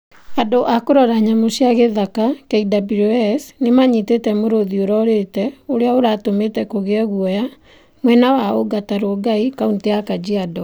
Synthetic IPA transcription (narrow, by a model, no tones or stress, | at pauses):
adoʔakoɾɔɾaɲamosjaɣeðakakɛidabiɾosnemaɲitetɛmoɾoðioɾɔɾetɛoɾeaoɾatometɛkoɣeɛɣuɔja | mwɛnawaoɡataɾoɔɡaikaunteakad͡ʑiadɔ